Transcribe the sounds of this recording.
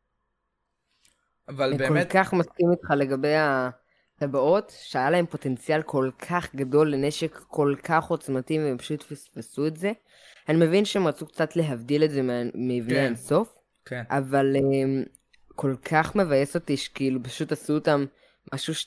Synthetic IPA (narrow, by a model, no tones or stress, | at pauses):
avakokaχmaskimit̪χale̞ɡabe̞ja | tabao̞tʃeajalae̞mpo̞te̞nt͡sijalkʰo̞lkʰaχɡado̞lːene̞ʃekːo̞lkʰaχo̞t͡smativeempḁʃutfispesuetze̞ | anime̞vinʃeemʁat͡sukt͡satle̞ɦavdiletzemmevneanso̞f | avalem | ko̞lkʰaχme̞vajeso̞tiʃe̥kiilupaʃutasuotamː | aʃuʃ